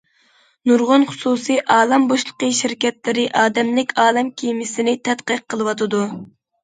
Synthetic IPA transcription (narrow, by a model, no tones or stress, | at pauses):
nuɾʁʊnχʊ̥susijʔɑːlˠɑmboʃlˠə̥qəʃiɾkʲɛt̪lɪɾɪʔɑːd̪ɛmlɪkʲɑːlˠɛmkʲʰijmɪsɪnɪt̪ʰɛt̪qəqʰːəlˠɨwɑt̪ɨd̪u